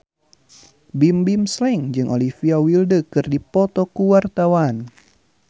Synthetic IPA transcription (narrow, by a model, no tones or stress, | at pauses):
bimbimslɛŋd͡ʒɨŋʔolifiawildəkɨrdipɔt̪ɔkuwart̪awan